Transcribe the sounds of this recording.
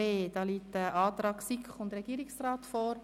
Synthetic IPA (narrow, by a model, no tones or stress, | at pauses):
eːd̥ɑːliːtəʔɑːt̪ɾɑːksikχʊndɾɛɡ̥iːɾɪksrɑːtfɔːɾ